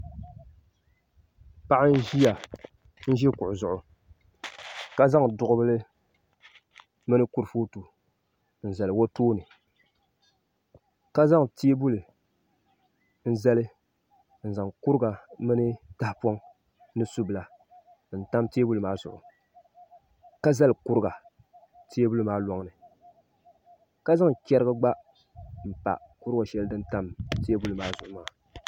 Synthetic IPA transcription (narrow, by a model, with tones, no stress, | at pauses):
pa˦ʔɪ˦n˦ʒi˦ja˨ | n̩˦ʒi˦kʊ˨ʔʊ˨zʊ˨ʔʊ˨ | ka˦za˦ŋdʊ˨ʔʊ˦bɨ˦lɨ˦ | mɨ˦nɨ˦kʊ˦ɾfoː˦tu˨ | n̩˨zɛ˨lɨ˨wo˦toː˦nɨ˨ | ka˦za˦ŋte˦e˦bu˦lɨ˨ | n̩˦zɛ˦lɨ˦ | n̩˨za˨ŋku˦ɾɡa˨mɨ˦nɨ˦ta˨hpɔ˦ŋ | nɨ˦su˦bɨ˨la˨ | dɨ˨n̩˨ta˦mteː˦bu˦lɨ˨maː˦zʊ̰˨ʔʊ̰˨ | ka˦za˦lɨ˨ku˦ɾɨ˦ɡa˨ | tʰeː˦bu˦lɨ˨maː˦lɔ˦ŋ˦nɨ˨ | ka˦za˦ŋkʲɛ˦ɾɨ˦ɡa˦ɡ͡ba˦ | m̩˨pa̰˨kʊ˦ɾɨ˦ɡa˨ʃɛ˦lɨ˦dɨ˦nta˦mte˦bu˦lɨ˨maː˦zʊ˨ʔʊ˨maː˦